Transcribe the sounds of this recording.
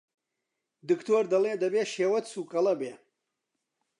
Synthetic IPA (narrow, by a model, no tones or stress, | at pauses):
d̪ɨkt̪oːɾd̪ɐleːd̪ɐbeːʃeːwɐt̪suːkɐlɐbeː